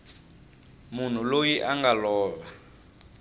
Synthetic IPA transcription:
mun̤ulojiʔaŋɡalɔːβa

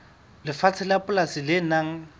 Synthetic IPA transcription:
lɪfat͡sʰɪlapʼʊlasilɪnaŋ̩

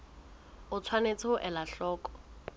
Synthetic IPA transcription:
ʊt͡sʰwanet͡sʰʊʔɛlaɬɔːkʼɔ̥

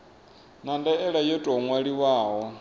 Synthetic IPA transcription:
nandɛɛɺajɔtʼɔŋwaɺiwaːɦɔ

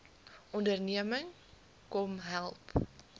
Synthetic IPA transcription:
ʔɔndərniəməŋ | kɔmɦælˠp

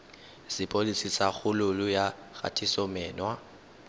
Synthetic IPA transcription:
sɪpʼolisisaɣʊlʊlʊja | ɣa̰tʰisɔmɛːnwa

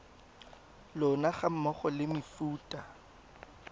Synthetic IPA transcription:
lʊnaχam̩mɔχɔlɪmifuːtʼa

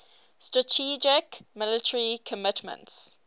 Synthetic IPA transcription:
stɹətʰid͡ʒɪkmɪlɪtʰəɹikʰəmɪtʰmə̰̃nts

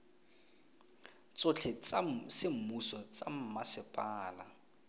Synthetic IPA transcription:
t͡sʼot͡ɬʰɪt͡sasɪm̩musɔt͡sʼam̩masɪpʼaːla

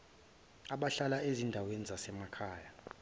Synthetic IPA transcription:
aɓaɬalaezindʱawenizasɛmakʰaːja

